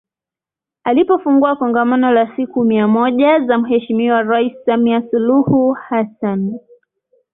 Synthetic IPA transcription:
alipɔfuŋɡuakɔŋɡamanɔlasikumiamɔʄazam̩hɛʃimiwaɾaissamiasuluhuhasan

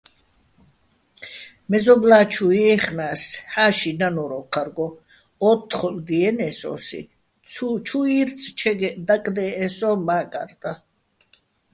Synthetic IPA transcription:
mɛzɔblaːt͡ʃʰuiɛχnaːsħaːʃinanɔɾɔqʰaɾɡɔ | ɔt̪ʰːχɔlɡ̪iɛnɛsɔ̰ːsḭ | t͡ʃʰuiɾt͡sʰt͡ʃʰɛɡɛd̪akʼd̪ɛːsɔmaːkʼa̰ɾt̪ʼa

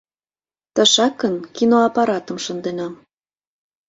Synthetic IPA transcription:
t̪ə̆ʃɑkːənkinoɑpɑɾɑt̪ə̆mʃənd̪enɑ

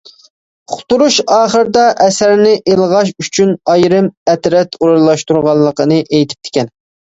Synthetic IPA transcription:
χʊt̪uɾuʃɑːχəɾd̪ɑʔɛsæɾnɪʔelˠʁɑʃ̬yt͡ʃʰynɑjɾɨmɛt̪ɾɛt̪ʰuɾlˠɑʃt̪uɾʁɑlˠːəqənɨʔejt̪ʰɪ̥p̚t̪ʰɪ̥kʲɛn

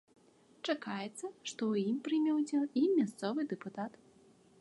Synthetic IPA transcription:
t͡ʂakajɛt̪sːɐʂt̪ɔwjimpɾɨmʲɛwd͡zʲɛwimmʲast̪sɔvɨd̪ɛput̪at̪

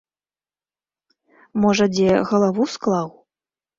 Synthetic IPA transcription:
mɔʐɐd͡zʲɛɣɐlˠavusklˠaw

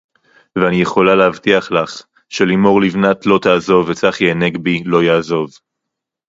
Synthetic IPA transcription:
veanijeχo̞lalehavt̪iaχlaχ | ʃelimo̞ʁlivnat̪lo̞t̪aːzo̞vet͡saχjeːneɡbilo̞jaːzo̞v

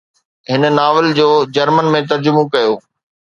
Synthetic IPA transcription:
ɦɪnə̆naːʋɪld͡ʑoːd͡ʑɐɾmənmẽt̪ɐɾd͡ʑʊmõkɐjoː

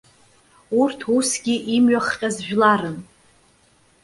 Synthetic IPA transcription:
urtʰusɡʲiʔimɥaχqʲʼazʒᶣlaɾɨn

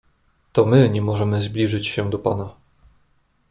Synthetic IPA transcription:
t̪ɔmɘɲɛmɔʐɛmɘzblʲiʐɘt͡ɕɕɛd̪ɔpa̰na

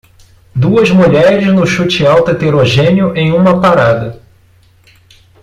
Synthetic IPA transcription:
d̪uɐzmuʎɛɾɪznʊʃut͡ʃɪawt̪ʊet̪eɾoʒẽniʊʔẽj̃ũmɐpaɾad̪ɐ

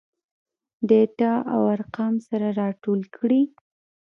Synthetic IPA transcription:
d̪eʈɑʔa̰waɾqɑmsaɾaɾɑʈolkʰɽi

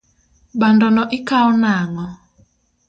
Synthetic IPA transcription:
ɓandɔnɔʔɪkaɔnaŋɔ

